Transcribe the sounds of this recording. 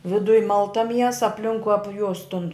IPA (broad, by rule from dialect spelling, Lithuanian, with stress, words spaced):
ʋʲɪˈdʊj ˈmɐlˠtɐ ˈmʲiɛsɐ ɐpʲˈlʲɪŋkʊɪ ˈɑːpʲjʊs tʊn